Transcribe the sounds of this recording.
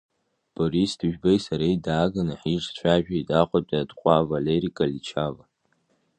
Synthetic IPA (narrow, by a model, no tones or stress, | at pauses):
b̥oɾisdɨʒᶣbajsaɾejdaːɡanaħiʐt͡ʃʷʰaʒᶣaidaχʷatʼadqʷʼavaleɾikʼalit͡ʃʰava